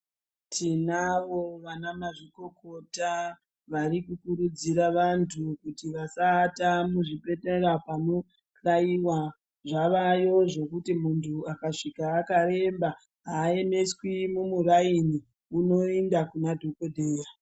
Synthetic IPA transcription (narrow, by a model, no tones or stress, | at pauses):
tʰinaʋo̞ʋanamaʐiko̞kota | ʋaɾikukuɾud͡ziɾaʋantʰukutiʋasaːtamuʐipe̞teɾapano̞ | ɬaiwa | ʐaʋajo̞ʐe̞kutimuntʰuakaʂikaːkaɾe̞mba | ɦaːe̞ne̞swimumuraini | uno̞endakunadʱokodʱeːja